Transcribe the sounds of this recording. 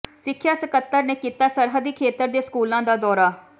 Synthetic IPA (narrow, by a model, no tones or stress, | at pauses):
sɪkʰːjaːsəkət̪ːəɾneːkiːt̪aːsəɾɦəd̪iːkʰeːt̪əɾd̪eːskuːlãːd̪aːd̪ɔːɾaː